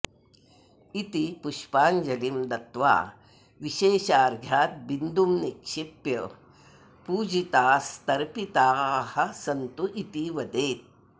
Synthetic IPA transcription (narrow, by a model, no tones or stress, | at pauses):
it̪ipuʃpaːnd͡ʒɐlimd̪ɐt̪ʋa̰ː | ʋiʃeːʃaːɾɡʱjaːt̪̚bind̪umnikʃipjɐ | puːd͡ʒit̪aːst̪ɐɾpit̪aːhɐsɐnt̪uʔit̪iʋɐd̪eːt̪̚